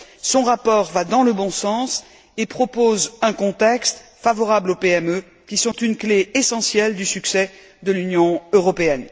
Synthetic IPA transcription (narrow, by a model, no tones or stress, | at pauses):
sɔ̃ʁapɔʁvad̪ɑ̃ləbɔ̃sɑ̃s | epχɔpozɛ̃kɔ̃t̪ɛkst̪favɔʁablopeɛmø | kʲisɔ̃t̪ynkleesɑ̃sjɛld̪ysyksɛ | d̪əlynjɔ̃øʁɔpeɛn